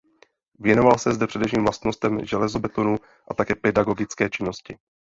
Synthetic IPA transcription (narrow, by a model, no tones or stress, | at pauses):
vjɛno̞valsɛzdɛpr̥ɛdɛfʃiːmvlast̪no̞st̪ɛmʒɛlɛzobɛt̪onu | ʔat̪akɛːpɛdaɡo̞ɡɪt͡skɛːt͡ʃɪno̞scɪ